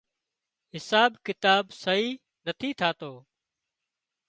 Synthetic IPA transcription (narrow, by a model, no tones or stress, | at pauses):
ɦɪsaːbkɪt̪aːbsəɦiː | nət̪ʰiːt̪ʰaːt̪oː